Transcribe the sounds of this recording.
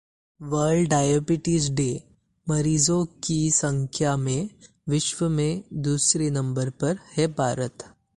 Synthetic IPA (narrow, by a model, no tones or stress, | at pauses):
ʋəɾɖɖaːjobɪʈɪsɖe | mɐɾiːzõkisɐ̃ŋkʰjamẽ | ʋɪʃʋəmẽd̪uːsɾinɐ̃mbəɾpɐɾhɛpaːɾət̪